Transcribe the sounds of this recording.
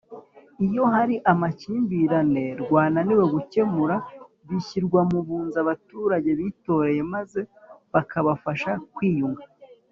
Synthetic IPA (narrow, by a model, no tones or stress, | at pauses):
ijo̞ɦaɾiʔamaciːmbiɾane̞ɾɡwaːnaniweɡuce̞muɾa | βiçiɾɡwamuβuːnzaβatuːɾaɟe̞βiːto̞ɾe̞je̞maze̞βakʰaβafaʃakwiːjuŋɡa